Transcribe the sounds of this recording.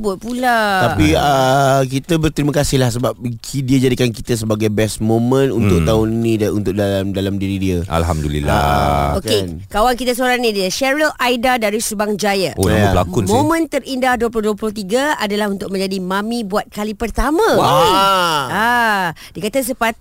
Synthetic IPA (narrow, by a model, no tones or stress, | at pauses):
bʊt̪̚pulat̪apiək̬it̪əbərt̪ɾiməkasɪhlahsəbap̚kʰidiəd͡ʒadikankit̪əs̬əbaɡajbɛsmomə̃nṵnt̪ʊkt̪aʊninĩdunt̪ʊk̚daamdalamdiɾidiəa̰lɦa̰mdulḭla̰oken | kawaŋkit̪asoɾaŋnĩdiəʃɛɾəlʔajdadaɾisubaŋd͡ʒajaoalakʊnmõmə̃nt̪ərindahduəp̬ulʊhduəplʊht̪iɡaadalahunt̪ʊk̚mə̃ɲd͡ʒadimãmĩbuat̪̚kalipərt̪amãwa | adiəkat̪as̬əpat̪̚